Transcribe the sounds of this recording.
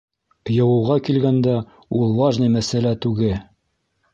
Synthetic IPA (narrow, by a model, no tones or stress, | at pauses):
jɤ̆wɤ̆wʁɑkilɡænd̪æ | ulˠwɑʒnɤjmæsælæt̪ʉɡɘ